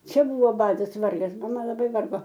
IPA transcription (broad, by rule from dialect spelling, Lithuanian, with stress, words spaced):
ˈt͡ʃʲɛ ˈbʊʋoː ˈbɑːdɐs ˈʋɐrɡɐs mɐˈmɐ lˠɐˈbɐɪ ˈʋɐrɡoː